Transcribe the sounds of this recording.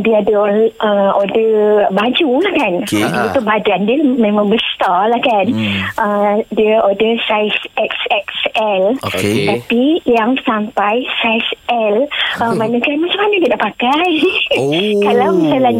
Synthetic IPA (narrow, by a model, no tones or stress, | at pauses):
diadəʔəodəbad͡ʒulahkanadiəit̪ubadandiəmẽmãŋbəst̪alahkanʔədiəodəsajsɛksɛksɛlt̪apijaŋsampajsajsʔɛləmanakanmat͡ʃamːanəkidaʔpakaj | kalawmisala